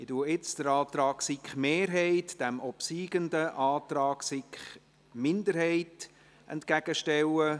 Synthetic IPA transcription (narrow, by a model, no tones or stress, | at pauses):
ɪtuəɪt͡sd̥əɾɑːtɾɑːksɪkχmeːɾɦɛɪtd̥ɛmɔpsiːɡəndəʔɑːtɾɑːksɪkχ | mɪndəɾhɛɪt | ʔɛ̰ntkæɡ̥əʃtɛwə